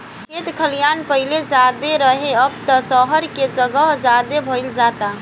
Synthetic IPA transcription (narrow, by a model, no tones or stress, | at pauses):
kʰet̪kʰəlijanpəɦɪled͡ʒad̪eɾəɦeəb̚t̪əsəɦəɾked͡ʒəɡəɦd͡ʒad̪ebʱəɪld͡ʒat̪a